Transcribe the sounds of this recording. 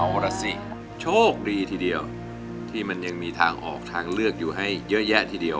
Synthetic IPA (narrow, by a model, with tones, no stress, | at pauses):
a˧wɾa˧si˧˩ | t͡ɕʰoː˥˩k̚diː˧t̪ʰiː˧di˧əw | t̪ʰiː˥˩ma˧nja˧ŋmiː˧t̪ʰaː˧ŋʔɔː˨˩k̚t̪ʰaː˧ŋlɯ˥˩ək̚juː˨˩ɦa˥˩jːɤ˦˥ʔjɛ˦˥ʔt̪ʰiː˧˩di˧əw